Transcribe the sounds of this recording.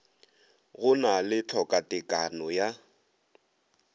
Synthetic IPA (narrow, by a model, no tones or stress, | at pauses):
ɣʊnalɪt͡ɬʰɔkʼatʼɪkʼanɔja